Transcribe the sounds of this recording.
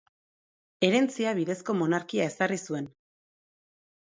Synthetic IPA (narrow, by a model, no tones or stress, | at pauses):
e̞ɾe̞nt͡siaβiðe̞sko̞mo̞naɾkiae̞sarisue̞n